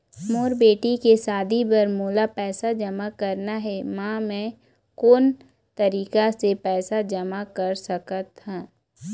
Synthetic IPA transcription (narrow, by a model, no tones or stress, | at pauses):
moːɾbeːʈikesaːd̪ʱibɐɾmoːlapɛːsad͡ʒɐmakɐɾnaɦɛmãːmɛ̃ | koːn | t̪ɐɾiːkasepɛːsad͡ʒəmakəɾsəkət̪hãː